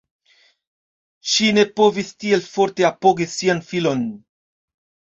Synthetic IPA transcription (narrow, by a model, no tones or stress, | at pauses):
ʃine̞po̞vistie̞lfo̞ɾte̞apo̞ɡisianfilo̞n